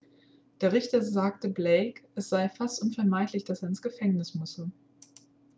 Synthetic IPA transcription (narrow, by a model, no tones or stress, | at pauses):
d̥eːɐʁ̞ɪçtɐzaːk̚təbleɪkʔɛsz̥aɪfastʔʊnfɛɐmaɪtlɪçd̥aseːɐɪnsɡ̥əfɛŋnɪsmʊsə